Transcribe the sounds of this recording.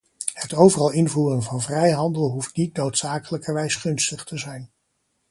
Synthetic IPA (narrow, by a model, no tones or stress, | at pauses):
hətowvərɑlˠɪnvuːrənvɑnvrɛjɦɑndəlˠɦuftnitnowtsaːkələkəɹʋɛjsχɵnstəχtəzɛjn